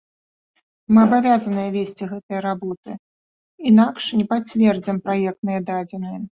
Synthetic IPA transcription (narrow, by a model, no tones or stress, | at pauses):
mɨɐbavʲazɐnɨjɐvʲesʲt͡sʲiɣɛt̪ɨjɐɾabɔt̪ɨ | inakʂnʲɛpat͡sʲvʲɛrd͡zʲimpɾajɛk̚t̪nɨjɐd̪ad͡zʲɛnɨjɐ